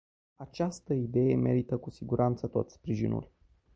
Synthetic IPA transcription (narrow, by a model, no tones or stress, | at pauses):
at͡ʃast̪əid̪e̞je̞me̞̰ɾit̪əkusiɡuɾʔant̪sət̪o̞t̪sʲspɾiʒḭnṵl